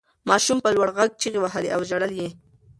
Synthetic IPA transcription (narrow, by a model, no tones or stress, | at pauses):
maːʃʊmpalwaɽɢɑk̚t͡ʃɪɢɪwaɦalɪʔawʒaɽalje